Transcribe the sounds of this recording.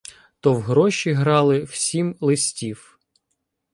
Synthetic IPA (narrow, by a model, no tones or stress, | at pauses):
t̪ɔwɦɾɔʃʲiɦɾɑlˠɪw̥sʲimlˠɪsʲtʲiw